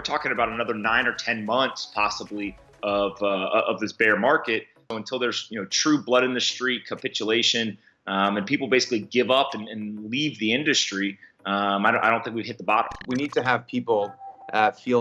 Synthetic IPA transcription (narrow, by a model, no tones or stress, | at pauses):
wəɹtʰɔkɪ̃ŋɨbaʊɾənʌðə˞nãɪ̃nə˞tʰɛ̃nmʌ̃nθspʰɑsəbli | ʌvʌʌ̰vðɪsb̥ɛɹmɑɹkɨt̚ | ʊə̃ntʰɪlˠðə˞z̥jɨnoʊtʰɹ̥ʉblʌɾɨ̃nðɨstɹ̥it̚kʰəpɪt͡ʃɨleɪʃɨ̃n | ʔʌ̃mɨ̃npipl̩ˠbeɪsɪ̥kliɡɪvʌpɨ̃nɨ̃nlivðiɪ̃ndɨstɹ̥i | ʌ̃maɪõʔaɪɾõʊ̃nθɪ̃kwiv̥ɦɪt̪̚ðəbɑɾə̰̃m̩winid̚tʰɨəv̥pʰipl̩ˠʔʌfi